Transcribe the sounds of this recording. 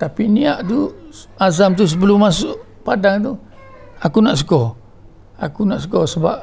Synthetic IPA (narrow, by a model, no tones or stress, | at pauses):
t̪apiniaʔt̪u | azamt̪us̬əbəlʊmːasʊʔ | padaŋt̪̬u | akunaʔs̬əkɔ | akunaʔsəkɔsəbap̚